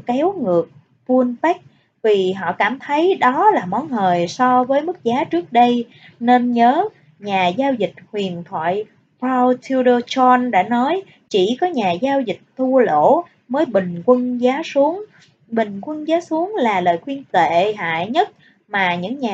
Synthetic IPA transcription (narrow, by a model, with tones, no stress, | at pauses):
kɛ˨˦wŋɨ˨˩ək̚ | vu˧ənpa˦˥k̚ | vi˨˩ɦɔ̰˧˨kaː˧˩mt̪ʰə˨˦jɗɔ˨˦laː˨˩mɔ˨˦nɦəː˨˩jsɔ˧vəː˨˦jmɨ˦˥k̚zaː˨˦t͡ɕɨ˦˥ək̚ɗə˧j | ne˧nɲəː˨˦ | ɲaː˨˩zaː˧wzï˨˩k̚hwi˨˩ənt̪ʰwa̰ː˧˨j | pɹa˧wt̪ʰi˧ɗəː˧t͡ɕɔ˧nɗa̰ː˧˥nɔ˨˦j | t͡ɕi˧˩kɔ˨˦ɲaː˨˩zaː˧wzï˨˩k̟̚t̪ʰu˧əlo̰˧˥˨ | məː˨˦jɓï˨˩ŋ̟kwə˧nzaː˨˦su˨˦əŋ | ɓï˨˩ŋ̟kwə˧nzaː˨˦su˨˦əŋlaː˨˩ləː˨˩jxwi˧ənt̪ḛ˧˨ɦa̰ː˧˨jɲə˦˥t̚ | maː˨˩ɲɨ̰˧˥ŋɲaː˨